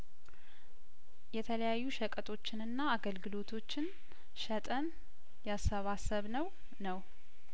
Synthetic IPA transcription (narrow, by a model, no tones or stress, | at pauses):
jɛt̪ʰələjajːuʃəkʼət̪ʼʰo̞t͡ʃːɪnɨnːaːɡəlɡɨlo̞t̪ʰo̞t͡ʃːɪn | ʃət̪ʼən | jasːəβasəβnəw | nəw